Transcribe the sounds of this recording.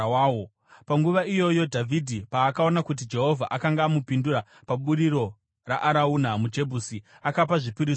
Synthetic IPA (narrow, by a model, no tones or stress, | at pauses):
aːo | paŋɡuʋaijo̞jo̞dʱavʱidʱipaːkao̞nakut̬id͡ʒe̞ɦo̞vʱaʔakaŋɡaːmupinduɾa | paɓuɾiɾo̞ | ra̰ʔaɾaunamud͡ʒe̞bʱusi | akapaʐipiɾiː